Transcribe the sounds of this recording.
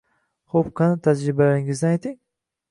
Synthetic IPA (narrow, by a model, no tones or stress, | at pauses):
χopqʰɑnɪt̪ʰad͡ʒɾɪbalaɾɪŋɪzd̪anajt̪iŋ